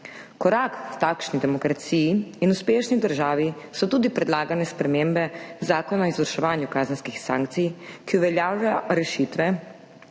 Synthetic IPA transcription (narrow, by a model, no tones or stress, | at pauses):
kɔɾaːkwt̪aːkʃnid̪ɛmɔkɾat̪sijiːnuspeːʃnid̪əɾʒaːʋi | sɔt̪uːd̪ipɾɛd̪laːɡanɛspɾɛmeːmbɛzaːkɔnaɔizʋəɾʃɛʋaːnjukaːzənskixsa̰ːŋk̚t̪sijkiuʋɛljaːwlaɾɛʃit̪ʋɛ